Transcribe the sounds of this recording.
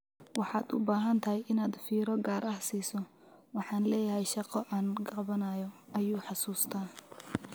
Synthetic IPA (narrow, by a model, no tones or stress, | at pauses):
wɑħɑːd̪ʊ̰baːɦɐnt̪ʰɐɦɛjʔɪnaːd̪fiːɾɔɡaːɾʔɐhsiːsɔ | wɑħɑːnlɛːjɐɦɛjʃɑqɔʔaːnɡɑβɐnaːjɔɐjuːħɑsuːst̪ʰaː